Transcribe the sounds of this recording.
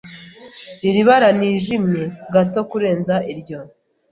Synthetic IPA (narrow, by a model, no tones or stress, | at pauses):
iɾiβaɾaniːʒimɲe̞ɡato̞kuɾe̞ːnzaʔiɾɟo̞